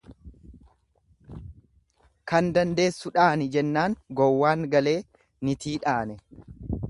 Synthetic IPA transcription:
kɐnd̪ɐnd̪e̞ːsːʊᶑaːnɪd͡ʒɛnːaːŋɡɔwːaːŋɡɐle̞ː | nɪt̪iːᶑaːnɛ

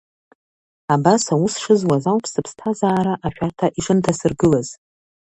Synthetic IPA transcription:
abasawusʂɨzwazawpʰsɨpʰstʰazaːɾaʔaʃᶣartʰaʔiʂɨntʰasɨrɡɨlaz̥

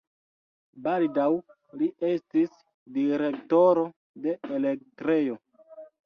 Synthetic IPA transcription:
baldaw | liʔe̞stis | diɾe̞k̚to̞ɾo̞ | de̞ele̞k̚tɾe̞jo̞

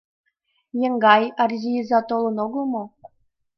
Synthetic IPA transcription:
jĕŋɡɑjɑrzʲijizɑt̪olˠɤ̆noɡɤ̆lˠmŏ

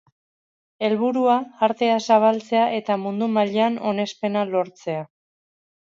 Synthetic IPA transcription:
e̞lβuɾuaːɾt̪e̞asaβ̞alt͡se̞aʔe̞t̪amund̪umaʎano̞ne̞spe̞nalo̞ɾt͡se̞a

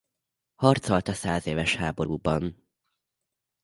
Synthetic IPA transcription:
hɒrt̪solt̪ɒsaːzeːvɛʃhaːbo̞ɾuːbɒn

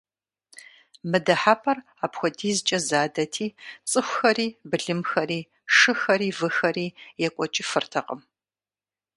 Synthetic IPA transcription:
mɨdɐħaːpʰʼɐr | aːpxʷɔdiːzɨt͡ʃʼɐzaːdɐtʰiːt͡sʼɨxʷxɐɾiːbɨɮɨmxɐɾiː | ʂɨxɐɾiːvɨxɐɾiːjɛkʷʼɔt͡ʃʼifɨrtʰɐqʼəm

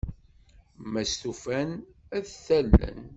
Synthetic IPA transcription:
mæst̪ufænæðθælːə̰n

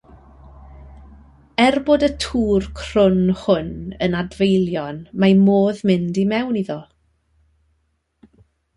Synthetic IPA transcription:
ɛrboːdətʰuːrkʰr̥ʊnhʊnənadvejlˠjɔnmamoːðmɪndimɛwniðɔ

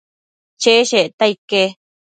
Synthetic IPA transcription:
t͡ʃeʃeʔt̪aike

